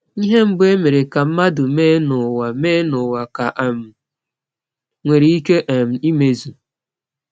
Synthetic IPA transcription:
i˦ɦe˦m̩˦be˦me˨ɾe˨ka˨m̩˦ma˦dʊ˨meː˦nʊ˨wa˨meː˦nʊ˨wa˨ka˨ʔa˨m̩˨ | ŋʷe˨ɾi˨i˦ke˦ʔa˨m̩˨i˦me˨zu˨

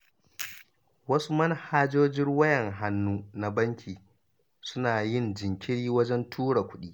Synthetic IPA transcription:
wɐ˦su˦mɐ˦n˨˦haː˦d͡ʒoː˦d͡ʒɪ˦ŋwɐ˦jɛ˨ŋɦa˦nːuː˦na˨bɐ˦ŋkʲʰiː˨ | sʊ˦naː˨jɪ˦˨nd͡ʒɪ˨ŋkʲɪ˦ɽiː˦wɐ˦d͡ʒɛ˦ntʰuː˦ɽa˨kʷʊ˦ɗiː˦

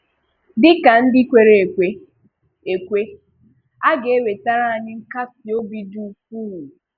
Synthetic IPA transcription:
dɪ˦ka˨n̩˦dɪ˦kʷe˨ɾe˨kʷe˦ | e˨kʷe˦ | a˦ɡe˨e˦ɾe˨ta˦ɾa˦a˨ɲɪ˦ŋ̩˦ka˦sɪ˨o˦bi˦du˦˨fu˦ɦu˨

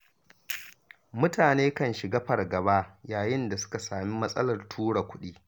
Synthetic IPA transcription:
mʊ˦taː˨neː˦kɐ˦nʃɪ˨ɡɐ˦ɸɐ˨rɡɐ˨baː˦jaː˨jɪ˦nda˨sʊ̥˦ka˨saː˨mi˦mɐ˦sʼɐ˦lɐ˨rtʰuː˦ɽa˨kʷʊ˦ɗiː˦

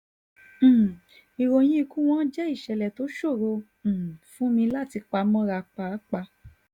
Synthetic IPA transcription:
i˨ɾo˨j̃ĩ˦i˧kũ˦w̃ɔ̃˦d͡ʒɛ˦i˦˨ʃɛ˨lɛ˨to˨˦ʃo˦˨ɾõ˧˨ | fũ˨˦mĩ˧˦la˦˨ti˧k͡pa˧˦mɔ̃˦ɾa˧k͡pa˨˦k͡pa˧

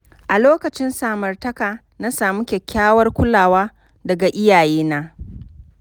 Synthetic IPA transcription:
ʔa˨loː˦kɐ˨t͡ʃɪ˦nsaː˨mɐ˨rtɐ˦kaː˨ | na˦saː˨mu˦kʲɛ˨kʲʰːaː˦wɐ˦rkʷʊ˦laː˨waː˦ | dɐ˨ɡa˨ʔɪ˦jaː˨jeː˦naː˦

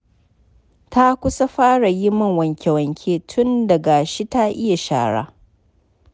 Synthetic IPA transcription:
ta˦kʷʊ˦sa˦ɸaː˦ɽa˨ji˦mɐ˦˨ŋwɐ˨ŋkʲɛ˨wɐ˨ŋkʲʰeː˦tʰʊ˦ndɐ˨ɡa˨ʃi˦ta˦ʔɪ˦ja˨ʃa̰ː˨ɽa̰ː˦

